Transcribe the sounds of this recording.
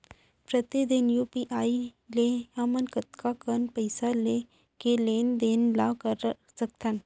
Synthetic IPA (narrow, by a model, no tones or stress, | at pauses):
pɾət̪ed̪ɪnjuːpiʔaːi | leamənkət̪kakənpəɪsale | keleːnd̪eːnlakəɾ | sək̚t̪ʰən